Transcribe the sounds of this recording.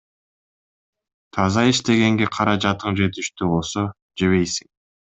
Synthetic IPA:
t̪ʰɑzɑiʃt̪e̞ɡe̞ŋɡe̞qʰɑɾɑd͡ʒɑt̪ɯɴd͡ʒe̞t̪iʃt̪yβo̞lˠso̞ | d͡ʒe̞βe̞jsi̥ŋ

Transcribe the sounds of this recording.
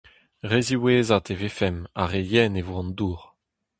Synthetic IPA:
ʁeziweːzat̪evefɛma̰ʁejɛnevoɑ̃nd̪uːʁ

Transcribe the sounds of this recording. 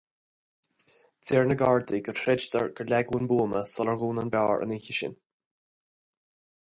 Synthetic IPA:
t̪ʰiːɹnəɡaɹd̪iɡətʰɾɛd͡ʒt̪əɹɡəɹlɛɡunbuːməstɔləɹɣuːnənbaːɹʔə̰nɪçəʃɪ̰n

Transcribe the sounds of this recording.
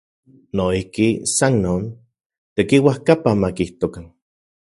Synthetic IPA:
noihkisannoːn | t̪ekiwahkapamakiht̪okan

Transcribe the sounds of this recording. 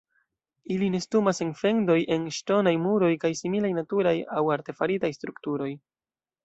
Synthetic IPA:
iline̞stumase̞nfe̞ndo̞jʔe̞nʃto̞najmuɾo̞jkajsimilajnatuɾajawaɾte̞faɾitajstɾuktuɾo̞j

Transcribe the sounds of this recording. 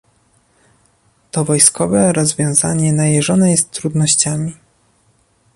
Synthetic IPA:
t̪ɔvɔjskɔvɛɾɔzvʲjɔ̃w̃za̰ɲɛnajɛʐɔnɛjɛst̪ːɾud̪nɔɕt͡ɕamʲi

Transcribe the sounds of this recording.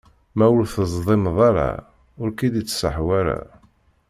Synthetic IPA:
mæwəlθəzˤðˤemðˤɑɾa̰ | ʊɾkid̪it͡sːsəħwæɾa̰

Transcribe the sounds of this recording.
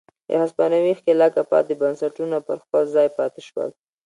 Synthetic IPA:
d̪ə̰haspɑnawixkelɑkapɑ̰t̪̚d̪əbansaʈunopəɾxpəlzɑjpɑt̪eʃwə̰l

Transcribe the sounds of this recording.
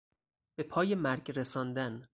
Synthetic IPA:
b̥e̞pʰɒːjemæɾɡɾesɒːnd̪æn

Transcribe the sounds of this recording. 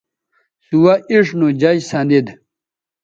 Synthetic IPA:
suwɐʔiʂnud͡ʑajsand̪id̪

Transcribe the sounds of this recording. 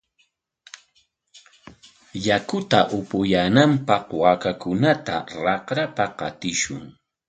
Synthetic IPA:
jakʊt̪aʔʊpʊjaːnampɑqwakakʊnat̪a̰ɾɑqɾapapqɑ̰t̪ɪʃʊ̰ŋ

